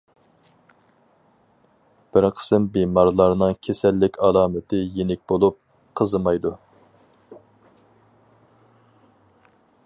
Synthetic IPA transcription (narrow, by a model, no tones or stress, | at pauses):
b̥ɪɾqʰə̥sɨmbemɑɾlˠɑɾnɨŋkʲʰesɛlːɪkʲɑlˠɑːmɪt̪ʰɪjenɪk̚ʲbolˠup̚ | qʰəzɨmɑjd̪u